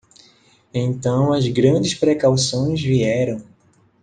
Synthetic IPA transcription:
ẽt̪ɐ̃w̃ɐzɡɾɐ̃d͡ʒɪspɾɛkawsõj̃zviɛɾɐ̃w̃

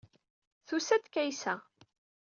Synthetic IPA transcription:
θusæt̪kæjsæ

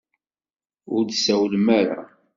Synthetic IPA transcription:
ʊɾd̪sæwəlmæɾæ̰

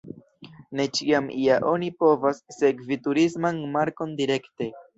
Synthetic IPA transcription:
ne̞t͡ʃiamiaʔo̞nipo̞vasːe̞kvituɾismanmaɾko̞ndiɾe̞kte̞

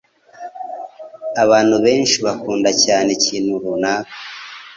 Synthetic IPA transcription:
aβaːn̥huβe̞ːnʃiβakuːndacaːne̞ciːnhuɾunakḁ

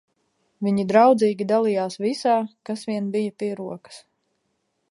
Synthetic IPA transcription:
viɲid̪ɾawd̪ziːɡʲid̪alˠijaːsvisaːkasvʲiɛnbijat̪iɾuɔkə̥s

